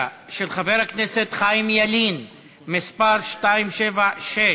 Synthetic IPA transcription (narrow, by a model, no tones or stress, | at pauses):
ʃelχaveʁhakneset̪χajmjalin | mispaʁʃtaimʃevaʃe